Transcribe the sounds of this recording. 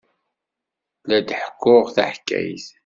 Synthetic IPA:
læd̪ħə̥kːʊʁθæħkːæ̰jθ

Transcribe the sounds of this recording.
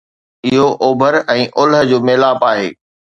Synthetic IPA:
ɪɦoʔoːbʱəɾɛ̃ːʔʊlɦə̆d͡ʑoːmeːlaːpaːɦḛː

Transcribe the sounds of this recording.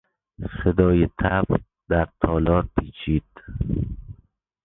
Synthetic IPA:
sed̪ɒːjet̪ʰæb | d̪̥æɾt̪ʰɒːlɒːɾpʰiːt͡ʃʰiːd̪̥

